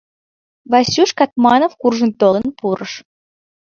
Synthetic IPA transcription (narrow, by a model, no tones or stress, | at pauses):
vɑsʲuʃkɑt̪̚mɑnofkurʒə̆nt̪olənpuɾəʃ